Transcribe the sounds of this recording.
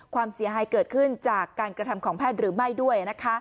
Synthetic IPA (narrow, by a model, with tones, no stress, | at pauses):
kʰwaː˧msi˨˩˦ɦaː˨˩˦jkɤː˨˩t̪̚kʰɯ˥˩nt͡ɕaː˨˩kːaː˧nkɾa˧t̪ʰa˧mkʰɔː˩˦ŋpʰɛː˥˩t̪̚ɾɯː˩˦ma˥˩jdu˥˩əjna˦˥kʰa˦˥